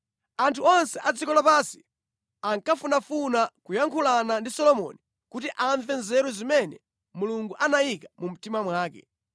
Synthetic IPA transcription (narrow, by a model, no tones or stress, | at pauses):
antʰuɔnsɛʔad͡zikɔlapasi̥ | aŋkafunafunakujaŋkʰulanandisɔlɔmɔ̰ni | kutiʔaɱvɛnzɛɾuzimɛnɛ̰ | muluŋɡuʔanajikamum̩timamwaːkɛ̰